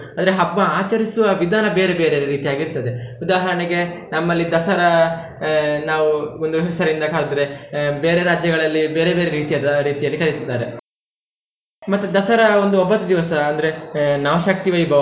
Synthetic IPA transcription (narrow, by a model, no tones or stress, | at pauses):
ɐnd̪ɐɾeɦɐbːɐaːt͡ʃɐɾisuʋɐʋid̪ʱaːnɐbe̞ːɾebeːɾeɾiːt̪ijaːɡiɾt̪ɐd̪eud̪aːɦɐɾɐɳeɡe̞nɐmːɐlːid̪ɐsɐɾɐ | naːʋuond̪uɦɛsɐɾind̪ɐkaːɭd̪ɾebe̞ːɾeɾaːd͡ʒjɐɡɐɭɐlːibe̞ːɾebe̞ːɾeɾiːt̪ijaːd̪ɐɾiːt̪ijɐlːikɐɾisid̪aːɾe | mɐt̪ːud̪ɐsɐɾɐo̞nd̪uobːɐt̪ːɐd̪iʋɐsɐːnd̪ɐɾe̞nɐːʋɐʃɐk̚t̪iʋɐjibʱɐ